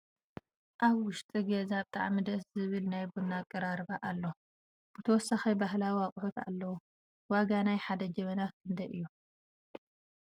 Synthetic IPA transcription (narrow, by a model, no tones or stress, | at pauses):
ʔaβwʊʃt̪ʼiɡezab̚t̪ʼa̰ʕmɨd̪ɐszɨβɨlnajbunakʼːɐɾaɾbaʔalːo | b̥ɨt̪ʰɐwɔsːaxibahlawiwakʼħut̪a̰lːɐwu | waɡanajħad̪ɐd͡ʒɐmɐnakʰɨnd̪ɐjʔɨjːu